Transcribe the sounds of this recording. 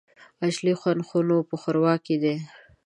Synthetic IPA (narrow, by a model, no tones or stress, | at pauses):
aʃlixwanxunopəxəɾwɑkid̪e